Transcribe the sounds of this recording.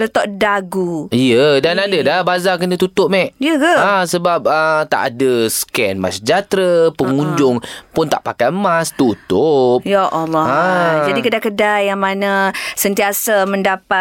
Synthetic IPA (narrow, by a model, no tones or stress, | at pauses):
lət̪ɔʔdaɡuijədanadədahbazakənə̃t̪ut̪ʊʔ̚mɛʔijəɡaasəbap̚ət̪a̰ʔa̰dəskɛnma̰sd͡ʒat̪ɾəpəŋuɲd͡ʒʊŋpʊnt̪a̰ʔpakajmast̪ut̪ʊp̚jaʔɔlːɔad͡ʒadikədakədajaŋmanə̃sənt̪iasaməndapa